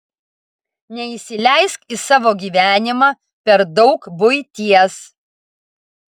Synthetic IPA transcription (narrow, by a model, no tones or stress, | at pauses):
nʲɛisʲɪlʲæˑɪskɪsɑːʋoːɡʲiːʋʲæːnʲɪmɑː | pʲɛɾd̪ɒʊkbʊɪt̪ʲiɛs